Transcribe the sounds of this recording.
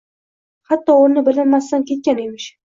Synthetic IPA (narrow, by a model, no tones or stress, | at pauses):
hat̪ːɒoɾnɪbɪlɪɾmast̪ankʲʰe̞t̪̚kʲanemɪʃ